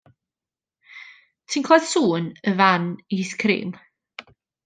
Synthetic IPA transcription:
tʰinkʰlað̥suːnəvaniskʰrɾḭːm

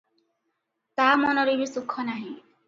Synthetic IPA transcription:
t̪amɔnɔɾibisukʰːɔnaɦĩ

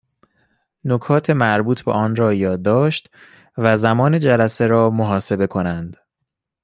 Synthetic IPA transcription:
nokʰɒːt̪ʰe̞mæɾbuːt̪ʰbḛʔɒːnɾɒːjɒːd̪ːɒːʃt̪ | væzæmɒːne̞d͡ʒælæse̞ɾɒːmoɦɒːse̞be̞kʰo̞nænd̪̥

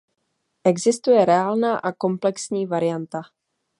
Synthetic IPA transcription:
ʔɛɡzɪst̪ujɛɾɛaːlnaːʔako̞mplɛksɲiːvaɾɪjant̪a

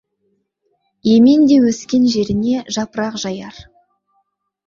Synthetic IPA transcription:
je̞me̞nd̪e̞wɵskʲe̞nʒe̞ɾɪne̞ʒɑpəɾɑqʒɑjɑɾ

